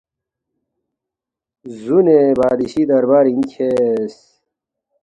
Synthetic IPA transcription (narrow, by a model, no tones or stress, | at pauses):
zunebaːd̪iɕid̪ɐɾbaːɾiŋkʰes